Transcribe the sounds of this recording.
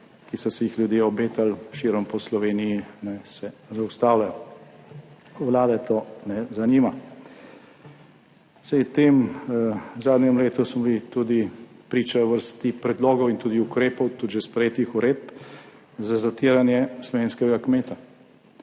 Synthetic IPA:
kisɔsɛjixlʲjud̪jeɔbeːt̪alʃiɾɔmpɔslɔʋeːnijianɛsɛzawst̪aːwlajɔ | wlaːd̪ɛt̪oːnɛzaniːma | sajt̪eːm | zaːd̪njɛmleːt̪usmɔblit̪uːd̪ipɾiːt͡ʃaʋəɾst̪ipɾɛd̪loːɡɔwint̪uːd̪iukɾeːpɔwt̪ud̪ʒɛspɾɛjeːt̪ixuɾeːd̪̚p | zazat̪iːɾanjɛslɔʋeːnskɛɡakmeːt̪a

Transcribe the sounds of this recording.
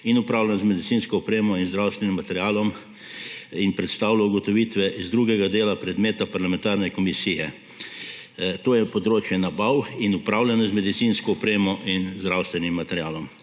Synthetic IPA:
inupɾaːwlanzmɛd̪it̪siːnskɔɔpɾeːmɔinzd̪ɾawst̪ʋɛnimːat̪ɛɾjaːlɔm | inpɾɛt̪st̪aːwlauɡɔt̪ɔʋiːt̪ʋɛʔizd̪ɾuːɡɛɡad̪eːlapɾɛd̪meːt̪apaɾlamɛ̃nt̪aːɾnɛkɔmisiːjɛ | t̪oːjɛpɔd̪ɾoːt͡ʃjɛnabawinupɾaːwlʲanɔzmɛd̪it̪siːnskɔːpɾeːmɔʔinzd̪ɾawst̪ʋɛnimːat̪ɛɾjaːlɔm

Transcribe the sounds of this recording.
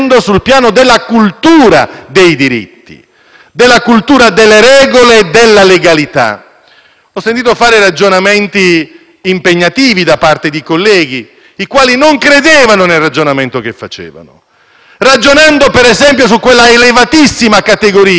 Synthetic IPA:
nd̪osulpjaːnod̪elːakult̪uːɾa̰d̪ejd̪iɾḭt̪ːḭ | d̪ɪlːakult̪uːɾad̪elːeɾɛːɡoled̪elːaleɡalit̪a̰ | ɔsːent̪iːt̪ofaːɾɪrad͡ʒonamɛnt̪iː | mpeɲːat̪iːvid̪apart̪ed̪ikolːɛːɡi | ikwaːlinoŋkɾed̪eːvanonelrad͡ʒonament̪ok̟efːa̰t͡ʃɛ̰ːva̰nʊ | rad͡ʒonand̪opɛɾɛzɛmpjos̬ukːwelːaelevat̪isːimakat̪eɡoɾiː

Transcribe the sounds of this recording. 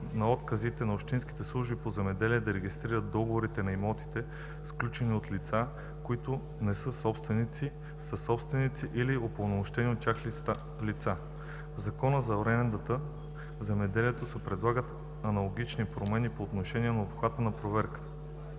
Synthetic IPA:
nɐɔt̪kəzit̪ɛnɐopʃt̪inski̥t̪ɛslˠuʒbipozɛmɛd̪ɛliɛd̪ɐɾɛɡʲist̪ɾiɾət̪̚d̪ɔɡovoɾit̪ɛnɐimɔt̪i̥t̪ɛ | sklʲut͡ʃɛniot̪lit̪sa | koit̪ʊ | nɛsɤsɔpst̪vɛnit̪si | səsɔpst̪vɛnit̪siʔiliopˠɐnomoʃt̪ɛniot̪̚t̪ʲːaxl | lit̪sa | zɐkɔnəzɐoɾɛmɛnd̪ət̪ə | zɛmɛd̪ɛliɛt̪osɛpɾɛd̪lˠaɡət̪ | ɐnɐlˠoɡ̟it͡ʃnipɾomɛnipoːt̪noʃɛnʲiɛnɐopxvat̪ənɐpɾovɛɾkə̥t̪ə̥

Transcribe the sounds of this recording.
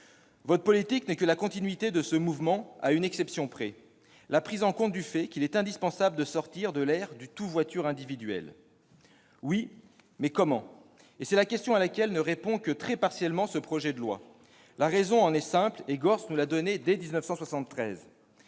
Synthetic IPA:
vɔt̪χpɔlit̪iknɛkəlakɔ̃t̪inɥit̪ed̪əsəmuvmɑ̃aynɛksɛpsjɔ̃pχɛ | lapχizɑ̃kɔ̃t̪̚d̪yfɛkʲilɛt̪ɛ̃d̪ispɑ̃sabləd̪əsɔʁt̪iʁd̪əlɛʁd̪yt̪uvwat̪yʁɛ̃d̪ivid̪ɥɛ̰l | wi | mɛkɔmɑ̃ | esɛlakʲɛst̪jɔ̃alakʲɛlnəʁepɔ̃kət̪χɛpaʁsjɛlmɑ̃səpχɔʒɛd̪əlwa̰ | laʁɛzɔ̃ɑ̃nɛsɛ̃pleɡɔʁsnulad̪ɔned̪ɛd̪iznəfsɑ̃swasɑ̃t̪ːχɛz

